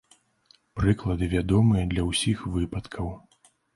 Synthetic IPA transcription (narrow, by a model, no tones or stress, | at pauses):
pɾɨklˠɐd̪ɨvʲad̪ɔmɨjɐd̪lʲɐwsʲixvɨpɐt̪kʰɐw